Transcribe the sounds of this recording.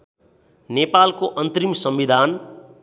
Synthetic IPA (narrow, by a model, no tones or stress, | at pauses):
nepalkoʔʌnt̪rimsʌmʋid̪ʱan